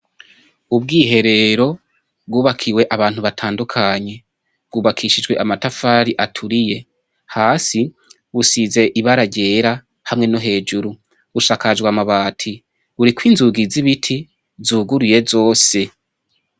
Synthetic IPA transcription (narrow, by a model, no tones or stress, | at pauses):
ubɡiːɦe̞ɾe̞ɾo̞ | b̚ɡuːβakʰiwe̞ʔaβaːn̥huβatʰaːndukʰaɲe̞ | b̚ɡuːβakʰiʃid͡ʒɡwe̞ʔamatafaːɾiʔatʰuɾije̞ | haːsi | βusize̞ʔiβaɾaɟe̞ːɾa | hamŋe̞no̞ɦe̞ːd͡ʒuɾu | βuʃaːkad͡ʒɡwamaβaːtʰi | βuɾikwiːnzuɡiziβitʰi | zuːɡuɾije̞zo̞ːse̞